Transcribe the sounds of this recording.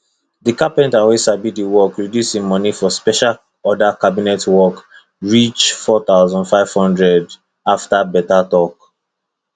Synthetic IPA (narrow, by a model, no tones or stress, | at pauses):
dikapɛ̃ntawesabidiwɔkɹidjusimɔnifɔspɛʃal | ɔdakabinɛtwɔk | ɹit͡ʃfɔθaʊzɔ̃ndfaɪv̥hɔ̃ndɹɛd | aftabɛtatɔk